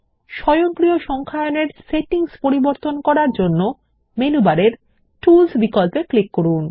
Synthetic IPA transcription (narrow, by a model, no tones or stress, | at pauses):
ʃɔjoŋkɾioʃɔŋkʰaoneɾseʈiŋspoɾiboɾt̪onkɔɾaɾd͡ʑonːo | menubaɾeɾ | ʈulsbikɔlpeklikːoɾun